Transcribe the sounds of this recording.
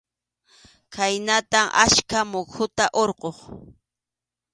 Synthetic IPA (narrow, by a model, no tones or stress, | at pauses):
kʰajnat̪amʔaʃkamokʰʊt̪aʔoɾqoχ